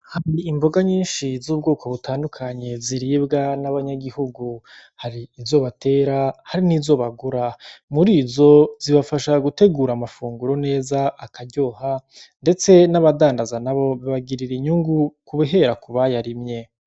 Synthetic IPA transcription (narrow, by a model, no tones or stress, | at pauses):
haɾiimbo̞ɡaɲiːnʃizuːb̚ɡo̞ːko̞βutʰaːndukʰaɲe̞ziɾiːbɡanaβaɲaɡihuɡu | haɾiːzo̞βate̞ːɾahaɾiniːzo̞βaɡuɾamuɾiːzo̞ziβafaʃaɡute̞ɡuːɾamafuːŋɡuɾo̞ne̞ːzaʔakaɾɟo̞ːha | nde̞t͡se̞naβadaːndazanaβo̞βiβaɡiɾiɾiɲuŋɡukuβeɦe̞ɾakuβajaɾimɲe̞